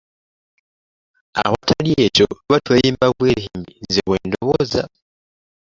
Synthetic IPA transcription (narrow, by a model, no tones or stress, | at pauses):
a̰watʰalijet͡ʃoβatwejiːmbaβweɦimbizeβweːndoβooza̰